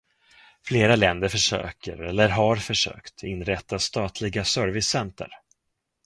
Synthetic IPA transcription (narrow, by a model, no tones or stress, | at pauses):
fleːɾalɛnd̪əɾfœʂø̰ːkə̰ɾɛlːəɾɦaɾfœʂø̰ːkt̪ʰɪnɾɛt̪ːast̪ɑːt̪ʰlɪɡasœɾvɪsːɛnt̪ʰə̰ɾ